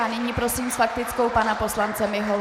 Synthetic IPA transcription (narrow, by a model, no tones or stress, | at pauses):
anɪɲiːpɾo̞simsfak̚t̪ɪt͡sko̞wpanapo̞slant͡sɛmɪɦol